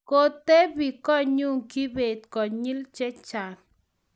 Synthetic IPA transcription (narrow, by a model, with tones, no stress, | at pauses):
ko˦t̪e˦bi˨kɔ˦ɲu˦˨ŋki˦be˨t̪kɔ˨ɲi˦lt͡ʃɛ˦t͡ʃa˨n